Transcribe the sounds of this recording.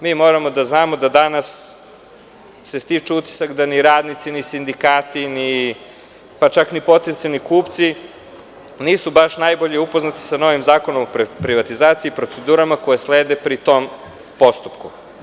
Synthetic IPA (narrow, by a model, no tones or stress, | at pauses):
miːmo̞ɾamo̞d̪aznaːmo̞d̪ad̪anas | e̞st̪it͡ʃeut̪i̥sakd̪aniɾaːd̪nit̪sinisind̪ikaːt̪ini | pat͡ʃaknipo̞t̪ent̪sialnikuːpt̪si | niːsubaʃnajboʎeupo̞znat̪i̥sano̞ʋimzaːkonomoppɾiʋat̪izaːt̪siːpɾo̞t̪se̞d̪uːɾamakojesleːd̪epɾit̪o̞m | po̞st̪upku